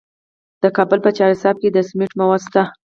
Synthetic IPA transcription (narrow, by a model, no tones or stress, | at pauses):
d̪̥əkɑbəlpət͡ʃɑɾɪsɑb̚ked̪əsmɪʈmawɑd̪st̪a